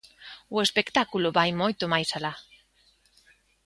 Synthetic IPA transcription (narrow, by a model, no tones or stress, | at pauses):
uespekt̪akuloβajmojt̪omajsala